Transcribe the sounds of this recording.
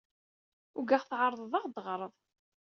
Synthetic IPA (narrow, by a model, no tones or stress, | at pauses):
ʊɡaχθʕɑɾˤðˤðˤɑʁd̪ʁɾˤəðˤ